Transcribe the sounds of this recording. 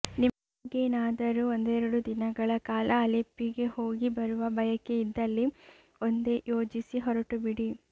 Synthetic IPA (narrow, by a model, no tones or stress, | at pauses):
niɐ | ɡeːnaːd̪ɐɾuond̪ɛːɾɐɽud̪inɐɡɐɭɐkaːlʔɐːlepːiɡe̞ho̞ːɡibɐɾuʋɐbɐjɐkːe̞id̪ːɐlːi | ond̪e̞jo̞ːd͡ʒisiɦɔɾɐʈubiɽi